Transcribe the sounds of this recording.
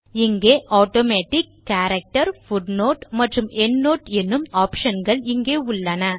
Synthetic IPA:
ɪŋɡeːʔaːʈoːmeːʈɪkːaːɾɐk̚ʈɐɾfʊɖnoːʈmɐʈrɯmʔɛnːoːʈɛnːɯmaːpʂɐnɡɐɭɪŋɡeːʊɭːɐnɐ

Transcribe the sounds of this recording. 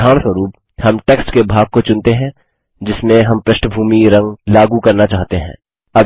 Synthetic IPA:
aːñswəɾuːp̚ | hɐmʈeːksʈkebʱaːɡ̚kot͡ʃʊ̃nt̪eɦɛ̃ | d͡ʒɪsmẽɦɐmpɾɐʃʈʰəbʱuːmiɾɐ̃ŋɡlaːɡukɐɾnat͡ʃaːɦt̪eɦɛ̰̃ː | ɐ

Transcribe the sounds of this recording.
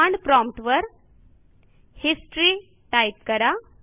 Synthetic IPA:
aɳɖpɾɔ̃mpʈʋəɾ | hisʈɾi | ʈajp̚kəɾa

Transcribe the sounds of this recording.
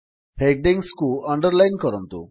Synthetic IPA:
hek̚ɖẽŋɡskuːəɳɖəɾlajnkəɾənt̪ṵ

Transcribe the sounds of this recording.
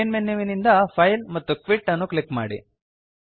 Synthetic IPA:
nmenːiʋinind̪ɐpʰɐjlmɐt̪ːukʋiʈːɐnːuklikːma̰ːɽḭ

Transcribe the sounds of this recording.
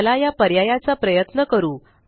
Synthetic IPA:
lajapəɾjajat͡sapɾəjət̪nəkəɾuː

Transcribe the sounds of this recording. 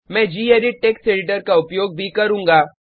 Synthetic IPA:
mɛ̃ːd͡ʒiːeːɾiʈeːkseːɖɪʈ̬əɾkaʊpjoːɡ̚bʱikɐɾũːŋɡaː

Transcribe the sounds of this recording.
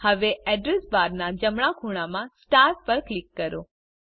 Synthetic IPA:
həʋeɛɖɾesbaɾnad͡ʒəmɳakʰuɽ̃amãsʈaɾpəɾklikːəɾo

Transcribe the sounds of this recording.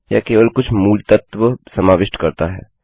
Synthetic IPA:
jaːkeːʋəlkʊt͡ʃʰmuːlt̪ət̪ʋəsɐmaːʋɪʃʈkɐɾt̪aɦɛ̰ː

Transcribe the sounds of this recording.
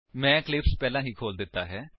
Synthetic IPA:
mɛ̃ːklɪpspɛːlãːɦiːkʰoːld̪ɪt̪ːaːɦɛː

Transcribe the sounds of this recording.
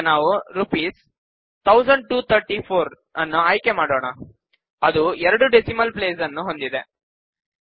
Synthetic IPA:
naːʋuɾupiːs | t̪ʰɐwsɐɳɖ̚ʈuːt̪ʰɐɾʈipʰoːɾ | ɐnːuaːjkemaːɽoːɳɐ | ɐd̪uɛɾɐɽuɖesimɐlpleːsɐnːuɦo̞nd̪id̪e

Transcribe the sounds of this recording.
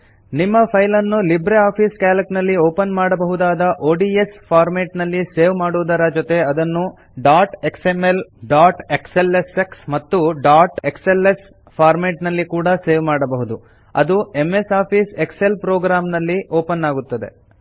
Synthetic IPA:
nimːɐpʰɐjlɐnːulibɾeaːpʰiːskaːlɐknɐlːioːpɐnmaːɽɐbɐɦud̪aːd̪ɐʔoːɖiespʰaːɾmeːʈnɐlːiseːʋmaːɽuːd̪ɐɾɐd͡ʒot̪e̞ɐd̪ɐnːu | ɖaːɾʈeksemelɖaːɾʈekseleseksmɐt̪ːuɖaːɾʈekseles | pʰaːɾmeːʈnɐlːikuːɽɐse̞ːʋmaːɽɐbɐɦud̪u | ɐ̰d̪ueme̞saːpʰiːsekselpɾoːɡɾaːmnɐlːiʔoːpɐnːaːɡut̪ːɐd̪e̞̰

